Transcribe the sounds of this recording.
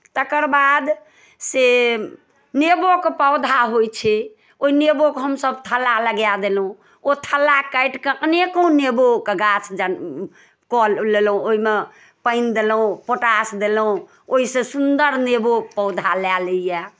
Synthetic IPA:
t̪əkəɾbad̪ | se | nebokepəʊd̪ʱaɦojt͡ʃʰɛ | oinebokɦəmsəbt̪ʰəlaləɡjad̪elɦũ | ot̪ʰəlːakəjʈkəknekõnebokeɡat͡ʃʰd͡ʒə | kɔlelũoime | pəɪnd̪elũpoʈasd̪elũ | oisẽsund̪əɾnebopəʊd̪ʱalɛləjɛ

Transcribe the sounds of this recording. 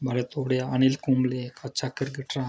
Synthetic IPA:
bʱaɾet̪oɽeanilkumlekʰat͡ʃʰakəɾɡəʈɾa

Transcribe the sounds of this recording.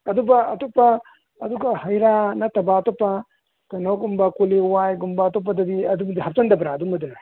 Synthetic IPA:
ɐd̪ubɐɐtopːɐː | duɡɐhɐjɾanɐtɐbaːtopːɐ | tɐnoɡumbɐkuliwajɡumbaːtop̬ːɐdɐdiɐdumdihɐp̚tɐndɐbɾaːdumɐdɯ

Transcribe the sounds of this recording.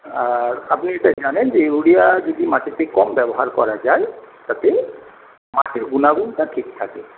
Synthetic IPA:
aɹapniɛʈajzanɛnzeuɽijad͡ʒɔd̪imaʈʰit̪ekɔmbɛbɔɦaɹkɔɹad͡ʒajt̪at̪e | maʈʰiɹɡunaɡuntaʈʰikt̪ʰa̰kɛ

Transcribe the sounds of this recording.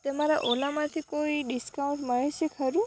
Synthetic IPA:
t̪emaɾaʔolamãt̪ʰikoiɖiskawũɳʈməɽeʃekʰəɾũ

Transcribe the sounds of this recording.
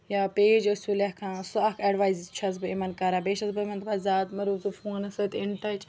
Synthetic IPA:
jaːpeːd͡ʒɐsuːlɐkʰãːsuɐkʰɐɖʋaːjzt͡ʃʰɐzbɨimɐnkaɾaːbeːʃɐsbɨmɐ̃nt̪bɐzaːt̪mɐɾuːzɨfoːnɐsɐt̪ɪɳʈɐt͡ʃ

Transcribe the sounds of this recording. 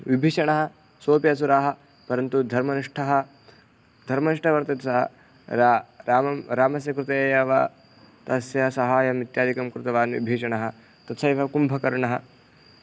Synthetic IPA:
ʋibʱiːʃɐɳɐɦɐ | soːpjɐs̬uɾaːɦɐ | pɐɾɐnt̪ud̪ʱɐɾmɐniʂʈʰɐɦɐ | d̪ʱɐɾmɐniʂʈʰɐʋɐɾt̪ɐt̪sɐɦɐ̰ | ɾaɾaːmɐmɾaːmɐs̬jɐkɾut̪eːjɐʋɐ | t̪ɐsjɐsɐɦaːjɐmit̪jaːd̪ikɐmkɾut̪ɐʋaːnʋḭbʱiːʃɐɳɐɦɐ | t̪ɐt̪sɐjʋʱɐkumbʱɐkɐɾɐɳɐɦɐ

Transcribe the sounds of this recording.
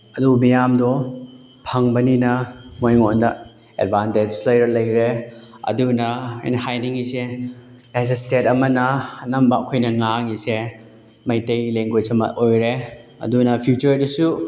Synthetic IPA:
ɐdumijamdɔ | pʰɐŋbɐninɐmojŋondɐ | ḛdbʱanted͡ʒplajɐɾlɐjɾeɐ̰dunɐɐ̰jnɐhajniŋiselas̬ɐstetɐmɐnɐːnɐmbɐɐkʰojnɐŋaŋise | mɐjtɐjleŋɡojsɐmɐ̰t̚ojɾeɐ̰dunɐpʰjut͡ʃɐɾdɐsu

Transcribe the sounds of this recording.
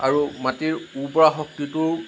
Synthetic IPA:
aɹumatiɹupɔɹaxɔk̚tituɹ

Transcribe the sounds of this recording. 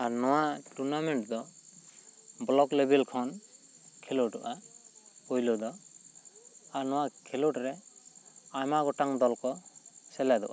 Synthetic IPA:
aɾnɔwaʈuɾnamɛɳʈd̪ɔ | blɔklebʱɛlkʰɔn | kʰeloʈɔ̰ʔa | hujlɔd̪ɔ | aɾnɔwakʰɛluʈɾɛ | ajmaɡɔʈaŋd̪ɔlkɔsɛlɛd̪ɔ̰ʔa

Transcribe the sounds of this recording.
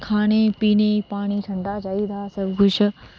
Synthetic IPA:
kʰaːɽ̃epiːnepaːɽ̃iʈʰɐ̃ɳɖat͡ʃaːid̪ʰaːsɐbʱkʊt͡ʃʰ

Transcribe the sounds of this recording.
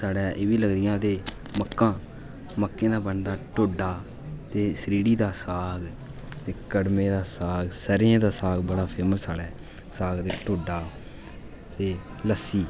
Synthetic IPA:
saːɽɛːʔeːʋiːləɡd̪ɪjãːt̪eː | məkːãː | məkːẽːd̪aːbəɳd̪aːʈoːɖaː | t̪eːsɾiːɽiːd̪aːsaːɡ | t̪eːkəɽmẽːd̪aːsaːɡsəɾãːd̪aːsaːɡbəɽaːpʰəɾmsaːɽɛː | saːɡt̪eːʈoːɖaː | t̪eː | ləsːiː

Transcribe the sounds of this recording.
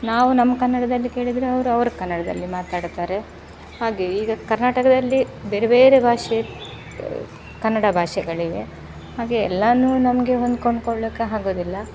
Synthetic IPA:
naːʋunɐmːɐkɐnːɐɽɐd̪ɐlːike̞ːɭid̪ɾeɐʋɐɾuɐʋɐɾukɐnːɐɽɐd̪ɐ̰lːimaːt̪aːɽt̪aːɾe̞ | haːɡeiːɡɐkɐɾnaːʈɐkɐd̪ɐlːibeːɾebeːɾebʱaːʂe | kɐnːɐɽɐbʱaːʂɛɡɐɭiɡḛ | haːɡeɛlːɐnːuːnɐmɐɡe̞ɦond̪koɳɖkoɭːɐːkːeɦaːɡoːd̪ilːɐ

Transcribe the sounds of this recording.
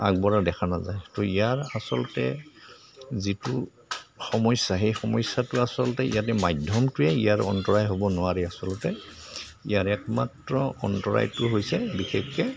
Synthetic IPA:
a̰ɡ̚bɔɹadɛkʰanazajtoijaɹasɔlɔtɛ̰ | zitu | xɔmɔjsaɦejxɔmɔjsːatʊasɔltɛḭjatɛmajdʱɔmtʊɛijaɹɔ̰ntɔɹajɦobɔnʊwaɹiasɔlɔtɛ | ijaɹɛkma̰tɹɔɔntɔɹa̰jtʊɦojsɛbixekːɛ

